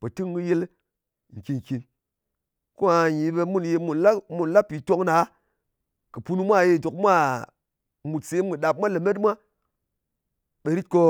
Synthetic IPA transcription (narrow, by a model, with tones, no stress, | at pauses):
pe˨tɨ˦ŋ˦ɡɨ˦je˦l | ŋ̩˨ki˨ŋ˨ki˨n | ko˦a˧ji˨˦be˧mu˦nje˧mu˨nla˦mu˨nla˦pi˨to˦ŋna˨˦ | kɨ˨pu˦nu˦mʷa˦˨je˧˨do˨kmʷa˦˨ | mu˨tse˨˦m˦ɡɨ˨ɗa˨p̚mʷa˦le˨me˦t̬mʷa˦ | ɓe˨ɾi˦t̚ko˦